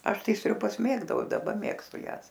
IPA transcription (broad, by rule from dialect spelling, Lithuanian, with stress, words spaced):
ˈɐʃ ˈtɐɪ sʲrʲʊˈbɐs ˈmʲeːɡdɐʊ ɪ dɐˈbɐ ˈmʲeːkstʊ ˈjæːs